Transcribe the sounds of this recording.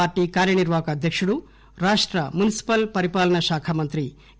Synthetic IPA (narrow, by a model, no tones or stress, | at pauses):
aːɾʈiːkaːɾjɐniɾʋaːkɐːd̪ʱjɐkʂuɽu | ɾaːʂʈɾɐmunisi̥pɐlpɐɾipaːlɐnɐʃaːkʰɐmɐnt̪ɾi